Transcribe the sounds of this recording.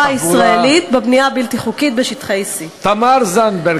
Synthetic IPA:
aissʁaelit̪bebniabilt̪iχukit̪̚beʃit̪χeisit̪amaɾzanbe

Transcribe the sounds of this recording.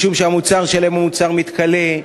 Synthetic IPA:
ʃumʃeamut͡saʁʃelaemamut͡saʁmit̪kale

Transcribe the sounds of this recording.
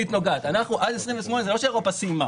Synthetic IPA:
it̪no̞ɡad̪anaχnuʔad̪esʁimveʃmo̞nezelo̞ʃeʁopasima

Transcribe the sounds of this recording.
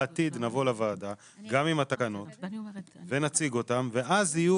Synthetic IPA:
atid̪navo̞lavaːda | ɡamimhat̪akano̞t | ve̞nat͡siɡo̞tamve̞ʔazhiju

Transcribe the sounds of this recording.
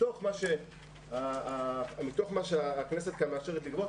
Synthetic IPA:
o̞χmaʃe | aamit̪o̞χmaʃeaːkneset̪̚kameaʃeʁetlikbo

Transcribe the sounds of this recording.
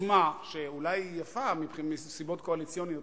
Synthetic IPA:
maʃeulajjafamipχimesibo̞t̪koalit͡sijonijo

